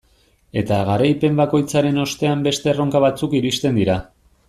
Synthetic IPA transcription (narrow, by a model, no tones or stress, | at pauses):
e̞t̪aɣaɾajpe̞mbako̞jt͡saɾe̞no̞st̪e̞ambe̞st̪ero̞ŋkaβat͡sukiɾist̪e̞nd̪iɾa